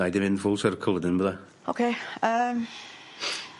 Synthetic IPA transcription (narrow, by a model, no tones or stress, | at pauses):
ajdɪnɪnfʊlˠsəɾkʰəlˠədənbəða | okʰeːəm